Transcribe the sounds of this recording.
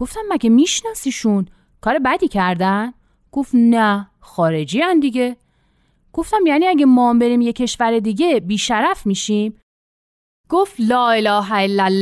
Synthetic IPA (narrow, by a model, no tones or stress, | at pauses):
ɡo̞ft̪æmːæɡemiːʃnɒːsiːʃun | kʰɒːɾebæd̪iːcʰæɾd̪æn | ɡ̥o̞ft̪næ | xɒːɾe̞d͡ʒiːænd̪iɟe̞ | ɡ̥o̞ft̪æmjæniæɡemɒːmbe̞ɾiːmje̞cʰe̞ʃvæɾe̞d̪iɟe̞biːʃæɾæfmiːʃim | ɡ̥oft̪lɒːelɒːɦæelːælː